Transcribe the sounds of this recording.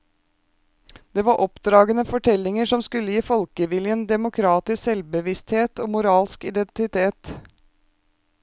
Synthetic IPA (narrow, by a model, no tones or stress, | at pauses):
d̪̥eːʋɑːɾʔɔpd̪ɾɑːɡənəfɔʈʰɛlɪŋəʂɔmskʉlːəjiːfɔlkəʋɪljənd̪ɛmʊkʰɾɑːt̪ɪssɛlbəʋɪst̪heːt̪oːmʊɾɑːlskɪd̪ɛnt̪ɪt̪ʰeːt̪